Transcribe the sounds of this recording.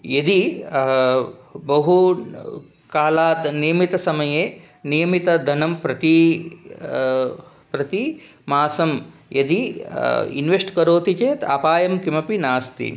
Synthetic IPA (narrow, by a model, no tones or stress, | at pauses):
jɐd̪i | bɐɦu | kaːlaːt̪nijɐmit̪ɐsɐmɐjeː | nijɐmit̪ɐd̪ʱɐnɐmpɾɐt̪i | pɾɐt̪i | maːsɐmjɐd̪i | ḭnʋeʂʈkɐɾoːt̪it͡ʃeːt̪a̰paːjɐmkimɐpinaːst̪ḭ